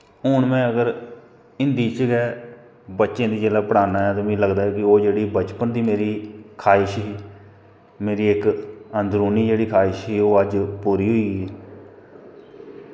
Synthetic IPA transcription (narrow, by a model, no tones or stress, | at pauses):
ɦʊɳmɛ̃ːəɡəɾ | ɪnd̪iːt͡ʃɡɛː | bətːʃẽːd̪iːd͡ʒeːlaːpəɽaːnãːɛːt̪õːmĩːləɡd̪aːɛːkɪoːd͡ʒeːɽiːbət͡ʃpənd̪iːmeːɾiːkʰaːɪʃɦiː | meːɾiːɪkənd̪ɾuːniːd͡ʒeːɽiːkʰaːɪʃɦiːoːəd͡ʒpuːɾiːɦʊiːɡ